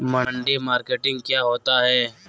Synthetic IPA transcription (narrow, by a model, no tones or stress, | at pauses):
mɐɳɖemaːɾkeːʈɪ̃ŋɡkjaːɦoːt̪aɦɛː